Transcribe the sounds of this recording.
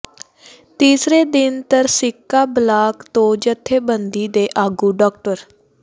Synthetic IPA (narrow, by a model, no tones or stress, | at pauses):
t̪iːsɾeːd̪ɪnt̪əɾsɪkːaːblaːkt̪õːd͡ʒət̪ʰːeːbənd̪iːd̪eːʔaːɡuːɖɔːk̚ʈəɾ